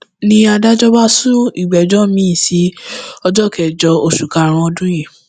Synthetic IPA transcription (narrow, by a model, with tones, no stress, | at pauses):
nĩ˧a˧da˦d͡ʒɔ˦ba˦sũ˦i˦˨ɡ͡bɛ˨d͡ʒɔ˦mĩ˨˦ĩ˦˨si˨˦ɔ˧d͡ʒɔ˦˨kɛ˨d͡ʒɔ˧o˧ʃu˨ka˨˧˨ɾ̃ɔ̃˧ɔ˧dũ˦jĩ˦˨